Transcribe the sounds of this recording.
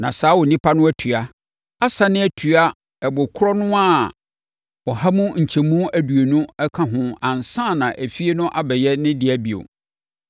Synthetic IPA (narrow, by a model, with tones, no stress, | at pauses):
nã˨saː˦wɔ˨nĩ˦pʰa˦nʊ̃˦æ˦tʰɥa˦ | a˦sa˦nɪ̃˦æ˦tʰu˨a˦ | ɛ˨bʊ˨kʰʊ˦ɾɔ˦nʊ̃˦a˦˨ | wɔ˨ha˦mũ˦ɲ̩˨t͡ɕʰɛ˨mũ˦æ˨du˨e˨nʊ̃˦ɛ˦kʰã˦ɦʊ̃˦ã˨n˨sã˦˨nã˨ʔæ˨fi˦e˦nʊ̃˦ʔa˨bɛ˨jɛ˦nɪ̃˦dɪ˨æ˦bi˨o̰˨